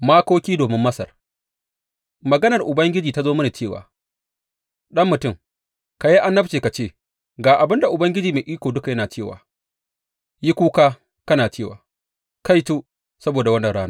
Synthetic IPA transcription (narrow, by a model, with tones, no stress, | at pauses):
maː˦koː˦kʲiː˦doː˨mɪ˦mːɐ˦sɐ̰˨r | mɐ˨ɡɐ˦nɐ˨rʔʊ˨bɐ˦ŋɡʲɪ˦d͡ʒiː˨ta˦zoː˦mɐ˦na˨t͡ʃeː˦˨wa̰ː˨ | ɗɐ˦mːʊ˨tʊ˦˨ŋ | ka˨ji˦ʔa˦nːɐ˦t͡ʃeː˨ka˨t͡ʃeː˦˨ | ɡaː˨ʔa˨bɪ˦nda˨ʔʊ˨bɐ˦ŋɡʲɪ˦d͡ʒiː˨meː˨ʔiː˦kʷoː˨dʊ˦ka˨jɐ˦naː˨t͡ʃeː˦˨wa̰ː˨ | ji˦kʷuː˦kaː˦ | kɐ˦naː˨t͡ʃeː˦˨wa̰ː˨ | ka˦jtuː˦ | sɐ˦boː˨da˨wɐ˦nːɐ˨ɽaː˦naː˦